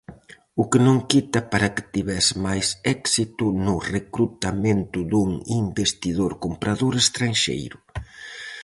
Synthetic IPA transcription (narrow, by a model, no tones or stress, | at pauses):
ʊkɪnõŋkit̪ɐpaɾɐkɪ̥t̪iβɛsmajsɛksit̪ʊnʊrekɾut̪ament̪ʊðuŋimbest̪iðoɾkompɾaðoɾest̪ɾanʃḛjɾʊ